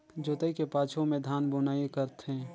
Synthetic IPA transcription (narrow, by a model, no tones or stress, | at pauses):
d͡ʒoːt̪əikepaːt͡ʃʰõmẽd̪ʱaːnbʊnaːikəɾt̪ɦɛ̃ː